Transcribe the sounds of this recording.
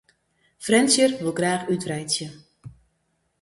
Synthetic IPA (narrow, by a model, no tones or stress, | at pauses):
frɛnsjərʋəlˠɡraːxytrɛjtsjə